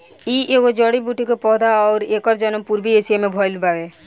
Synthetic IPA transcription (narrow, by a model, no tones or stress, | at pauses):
iːʔeːɡod͡ʒɔːɽibuʈikepɔːd̪aɔːɾeːkɔɾd͡ʒɔnəmpuɾbieːsijemẽbʱɔːjlbaːʋe